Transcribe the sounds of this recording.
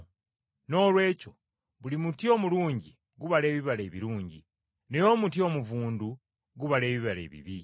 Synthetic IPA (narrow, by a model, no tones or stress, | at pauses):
no̞ːlwe̞ːco̞ | βulimutio̞ːmuluːɲɟi | ɡuβale̞ːβiβale̞ːβiɾuːɲɟḭ | nejo̞ːmutio̞muvuːndu | ɡuβale̞ːβiβale̞̰ːβḭβi